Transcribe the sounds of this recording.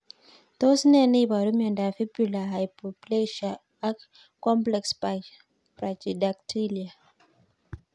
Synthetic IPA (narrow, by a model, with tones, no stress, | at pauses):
t̪o˦snɛ˦ni˦ba˨ɾu˦mɛ˨nda˨fi˦bula˨ɦa˨jpopleʃa | a˦k | kːɔ˦mplɛkspa | pɾa˨d͡ʒida˨k̚tʰi˦lia˨